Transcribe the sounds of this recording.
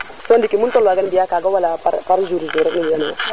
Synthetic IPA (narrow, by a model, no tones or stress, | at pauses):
sondikimuntɔlwaɡanbijakaɡawalapa̰ɾpaɾzuɾizuɾokniijanawa̰